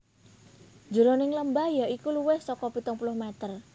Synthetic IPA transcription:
d͡ʒə̤ɾonɪŋləmbahjaikuluwɪhsɔkɔpit̪ʊŋpulʊhmɛt̪ər

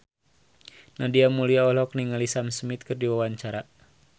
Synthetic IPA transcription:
nadiamuliaɔlɔkniŋalisamsmit̪̚kɨrdiwawaɲt͡ʃaɾa

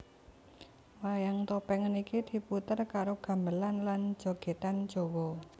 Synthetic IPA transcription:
wajaŋt̪opɛŋənikid̪̥i̤put̪ərkaɾoɡ̥ä̤mbəlanlan̥d͡ʒ̥o̤ɡ̥et̪an̥d͡ʒ̥ɔ̤wɔ

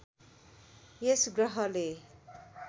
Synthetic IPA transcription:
jesɡrʌɦʌle

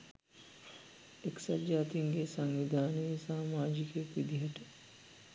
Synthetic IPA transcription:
eksad͡ʒaːt̪iŋɡesaŋʋid̪ʱaːnəesaːmaːd͡ʒikekʋid̪iɦɐʈə

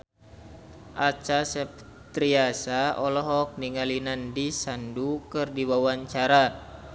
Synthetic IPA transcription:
ʔat͡ʃasɛp | t̪ɾiasaɔlɔɦɔk̚niŋalinandisandukɨrdiwawaɲt͡ʃaɾa

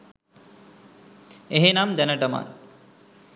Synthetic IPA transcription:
eɦenamd̪ænəʈəma̰n

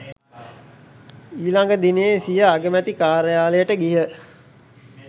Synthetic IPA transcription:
iːlaŋɡəd̪ineesijəaɡəmæt̪ikaːɾəjaːləjəʈəɡiɦə

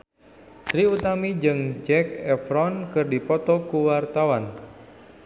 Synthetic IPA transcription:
sɾiut̪amid͡ʒɨŋd͡ʒɛkɛfɾɔnkɨrdipɔt̪ɔkuwart̪awan

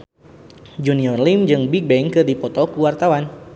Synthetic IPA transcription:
d͡ʒuniɔrlimd͡ʒɨŋbik̚bɛŋkɨrdipɔt̪ɔkuwart̪awan

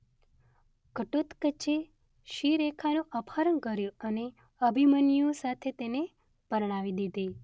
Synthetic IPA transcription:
kəʈot̪kət͡ʃe | ʃiɾekʰanũʔəpʰaɾənkəɾjõəne | əbʱimənijõsat̪ʰet̪ene | pəɾɳ̃aʋid̪id̪i

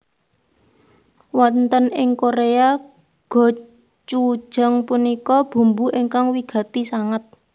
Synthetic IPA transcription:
wɔnt̪ənɪŋkoɾea | ɡ̥ɔ̤ | t͡ʃu̥ʒ̥a̤ŋpunikɔb̥ṳmbuʔiŋkaŋwiɡ̥ä̤t̪isaŋət̪̚

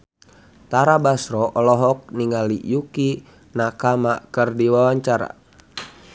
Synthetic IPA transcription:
t̪aɾabasɾɔʔɔlɔɦɔk̚niŋalḭjuki | nakamakɨrdiwawaɲt͡ʃaɾa̰

